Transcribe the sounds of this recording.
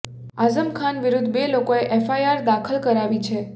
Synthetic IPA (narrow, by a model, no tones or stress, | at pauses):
azəmkʰanʋiɾud̪ʱbelokoeʔefajaɾd̪akʰəlkəɾaʋit͡ʃʰe